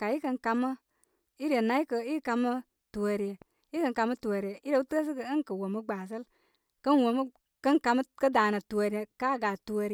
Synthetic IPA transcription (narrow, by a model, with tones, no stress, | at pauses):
ka˨i˦kə˧ŋka˧mə˦ | i˦ɾe˨na˨˦i˦kə˨i˦ka˧mə˦ | tu˨o˨ɾi˨je˨ | i˦kə˧ŋka˧mə˦tu˨o˨ɾi˨e˨i˦ɾe˨˦u˦tɨ˦ə˦s̬i˦kə˨ə˦ŋkə˨wo˨mə˦ɡ͡ba˨s̬ə˦l | kə˦nwo˨mə˦ | kə˦nka˧mə˦kə˦da˨nə˨tu˨o˨ɾi˦e˨ka˦˨ɡa˨tu˨o˧ɾ